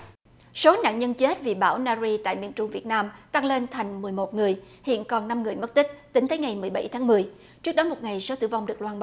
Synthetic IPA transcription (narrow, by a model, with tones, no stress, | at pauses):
so˨˦na̰ː˧˨nɲə˧nt͡ɕe˦˥t̚vi˨˩ɓaː˧˩wnaː˧zi˧t̪a̰ː˧˨jmḭ˧ənt͡ɕʊ˧ŋ͡mvi˨˩ət̚naː˧mt̪a˧ŋle˧nt̪ʰa˨˩jŋ̟mɨ˨˩əjmo˨˩t̚ŋɨ˨˩əj | hḭ˧˨ənkɔ˨˩nːa˧mŋɨ˨˩əjmə˦˥t̚t̪ï˦˥k̟̚t̪ï˨˦ŋt̪əː˨˦jŋa˨˩jmɨ˨˩əjɓa̰˧˩jt̪ʰaː˨˦ŋmɨ˨˩əj | t͡ɕɨ˦˥ək̚ɗɔ˨˦mo˨˩t̚ŋa˨˩jso˨˦t̪ɨ̰˧˩va˧wŋ͡mɗɨ˨˩ək̚lwaː˧nɓa˧˦